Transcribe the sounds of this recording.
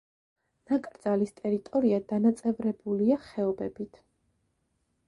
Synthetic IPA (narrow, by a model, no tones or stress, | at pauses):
nakʼɾd̪zalist̪ʼɛɾit̪ʼɔɾiad̪anat̪sʼɛvɾɛbuliaχɛɔbɛbit̪ʰ